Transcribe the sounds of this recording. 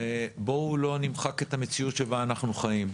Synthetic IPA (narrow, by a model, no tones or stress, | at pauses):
bo̞ulo̞nimχake̞t̪amet͡siutʃebaːnaχnuχajim